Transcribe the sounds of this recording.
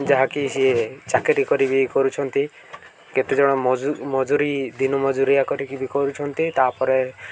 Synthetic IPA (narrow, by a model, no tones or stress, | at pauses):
d͡ʒaɦakisiet͡ʃakeɾikɔɾibikɔɾut͡ʃʰɔnt̪i | ket̪ed͡ʒɔɽ̃ɔumɔd͡ʒuɾid̪inɔmɔd͡ʒuɾijakɔɾikibikɔɾut͡ʃʰɔnt̪it̪apɔɾe